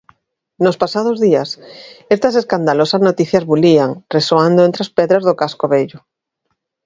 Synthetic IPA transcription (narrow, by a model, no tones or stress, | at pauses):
nospasaðʊzðiasest̪aseskand̪alosaznot̪iθjazβuliaŋresoand̪oent̪ɾaspeðɾazðokaskoβeʎʊ